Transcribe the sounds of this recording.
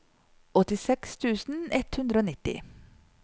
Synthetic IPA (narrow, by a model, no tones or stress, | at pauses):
ɔt̪ɪsɛkst̪ʰʉːsn̩ɛt̪hʉnd̪ɾəoːnɪt̪ɪ̰